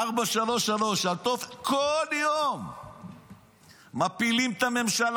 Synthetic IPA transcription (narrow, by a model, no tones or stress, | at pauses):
aʁbaʃalo̞ʃalo̞ʃalt̪ofkʰoljom | apilimt̪ame̞mʃal